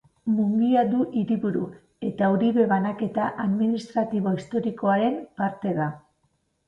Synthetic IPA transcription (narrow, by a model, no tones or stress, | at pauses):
muŋɡiad̪uʔiɾiβuɾu | e̞t̪auɾiβe̞βanake̞t̪aʔaðminist̪ɾat̪iβo̞ist̪o̞ɾiko̞aɾe̞mpaɾt̪e̞ða